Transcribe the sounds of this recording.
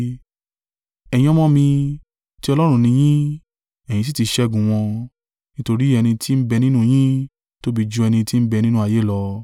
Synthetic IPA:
ɛ˨j̃ĩ˧˦ɔ˦mɔ̃˦mĩ˧ | ti˦ɔ˧lɔ˦ɾ̃ũ˧nĩ˧j̃ĩ˦ | ɛ˨j̃ĩ˧s̬i˦ti˧ʃɛ˧˦ɡũ˨w̃ɔ̃˧ | nĩ˦to˧ɾi˦ɛ˧nĩ˧tʰi˦m̩˦bɛ˧nĩ˦nũ˦˨j̃ĩ˦ | to˦bi˧˦d͡ʒũ˧ɛ˧nĩ˧ti˦m̩˦bɛ˧nĩ˦nũ˦a˨je˨˦lɔ˧

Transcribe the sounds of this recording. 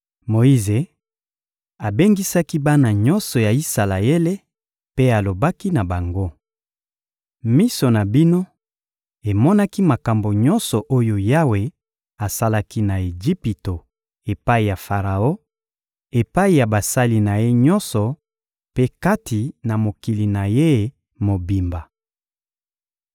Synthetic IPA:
mo˨i˦ze˨ | a˨be˦ŋɡi˦sa˦ki˦ba˦na˨ɲɔ˦nsɔ˨ja˨i˦sa˨la˨e˦le˦ | pe˦a˨lo˨ba˦ki˦na˨ba˨ŋɡo˦ | mi˦so˨na˨bi˦no˦ | e˨mɔ˦na˦ki˦ma˨ka˨mbo˨ɲɔ˦nsɔ˨ʔo˦jo˦ja˦we˨ | a˨sa˦la˦ki˦na˨e˨d͡ʒi˦pi˨to˨ | e˨pa˦i˨ja˨fa˨ʁa˨o˦ | e˨pa˦i˨ja˨ba˨sa˦li˨na˨je˦ɲɔ˦nsɔ˨ | pe˦ka˦tʰi˨na˨mo˨ki˨li˨na˨je˦ | mo˨bi˨mba˨

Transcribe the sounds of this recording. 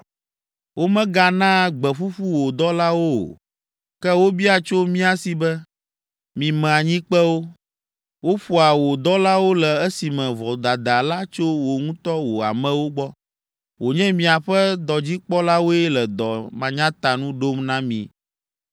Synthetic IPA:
wo˦mɛ̃˦ɡa˨nã˦ɡ͡bɛ˨ɸu˦ɸu˦wo˨d̪ɔ˦la˦wo˦o̰˨ | kɛ˦wo˦bi˦a˨t͡ʃo˦mĩ˦a˨si˨bɛ˦ | mĩ˨mɛ̃˨a˨ɲĩ˦k͡pɛ˦wo˦ | wo˦ɸu˦a˨wo˨d̪ɔ˦la˦wo˦lɛ˨ɛ˦si˨mɛ̃˨vɔ˨d̪a˨d̪a˨la˦t͡ʃo˦wo˨ŋũ˦t̪ɔ˦wo˨a̰˨mɛ̃˨wo˦ɡ͡bɔ˦ | wo˨ɲɛ̃˦mĩ˨a˨ɸɛ˦d̪ɔ˨d͡ʑi˦k͡pɔ˦la˦wo˦ɛ˦lɛ˨d̪ɔ˨mã˨ɲã˦t̪a˨nũ˦ɖo˦mnã˦mḭ̃˨

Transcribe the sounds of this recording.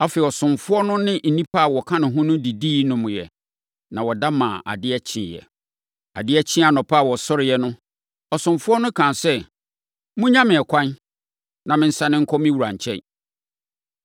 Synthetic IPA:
a˦fɛ˨ɔ˨sʊ̃˨mfʊ˦ɔ˦nʊ̃˦nɪ̃˦n̩˨nĩ˦pʰa˦a˨wɔ˨kʰã˦nɪ̃˨ɦʊ̃˦nʊ̃˦di˨diː˦nʊ̃˨mʊ̃˨jɛ̰˨ | nã̰˨wɔ˨da˦mã̰ː˨ʔa̰˨dɪ˦ɛ˦t͡ɕʰɪ̰̃˨jɛ̰˨ | a̰˨dɪ˦ɛ˦t͡ɕʰɪ̃˦a˨nɔ̃˨pʰa˦˨wɔ˨sɔ˦ɾɪ˨jɛ˨˦nʊ̃˦ | ɔ˨sʊ̃˨mfʊ˦ɔ˦nʊ̃˦kʰã˨nsɛ˦ | mʊ̃˦ɲã˦mɪ̃˨ɛ˨kʷʰã˦n | nã˨mɪ̃˦n̩˦sa˦nɪ̃˦ŋ̩˦kʰɔ˦mɪ̃˦wu˨ɾã˨ɲ˨t͡ɕʰɛ̰˦˨

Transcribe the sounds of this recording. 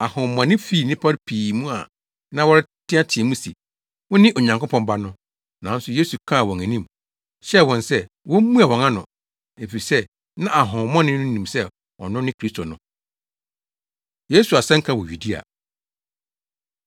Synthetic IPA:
a˨hʊ̃˨mɔ̃˨nɪ̃˦fi˦˨nɪ̃˦pʰa˦ɾpʰiː˨mũ˦a̰˨ | nã˦wɔ˦ɾɪ˦tʰɪ˦a˦tʰɪ˨ɛ˨mũ˦si˨ | wʊ̃˦nɪ̃˦ʔo˨ɲã˨ŋkʊ˦pʰɔ̃˨mba˦nʊ̃˦ | nã˨˦n̩˦sʊ˨je˦su˨kʰã˦˨wɔ̃˨ŋæ̃˨nĩ˦˨m | ɕɛ˦˨wɔ̃˨nsɛ˦ | wɔ̃˦m˦mũ˦a˨wɔ̃˨ŋã˦nʊ̰̃˨ | e˨fi˨sɛ˦ | nã˦a˨ɦʊ̃˨mɔ̃˦nɪ̃˦nʊ̃˦nĩ˨msɛ˦ | wɔ̰˨nʊ̃˦nɪ̃˦kʰɾi˦stʰo˨nʊ̃˦ | je˦su˨a˨sɛ̃˦ŋ˦kʰã˦wɔ˨ɥu˨di˦a̰˨

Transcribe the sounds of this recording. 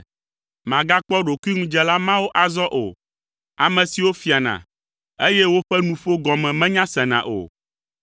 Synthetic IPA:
mã˨ɡa˦k͡pɔ˦ɖo˨ku˦i˦ŋũ˦d͡ʒɛ˦la˦mã˦wo˦ʔa˨zɔ˦ʔo̰˨ | a˨mɛ̃˨si˨wo˦fi˨a˨nã̰˨ | e˦jɛ˦wo˦ɸɛ˦nũ˨ɸo˦ɡɔ˨mɛ̃˨mɛ̃˦ɲã˦sɛ˨nã̰˨ʔo̰˨

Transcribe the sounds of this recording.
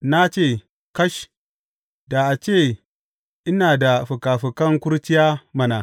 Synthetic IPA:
na˦t͡ʃeː˦˨ | kɐ˦ʃ | da˨ʔa˨t͡ʃeː˦˨ | ʔɪ˦naː˨da˨ɸʊ˨kaː˨ɸʊ˨kɐ˦ŋkʷʊ˦ɾt͡ʃɪ˦jaː˦mɐ˦na˨

